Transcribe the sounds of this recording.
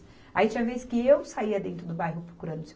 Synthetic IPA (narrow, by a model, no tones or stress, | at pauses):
ait͡ʃĩɲ̃ɐveskɪewsaiɐd̪ẽnt̪ɾʊd̪ʊbajɦʊpɾokuɾɐ̃d̪ʊse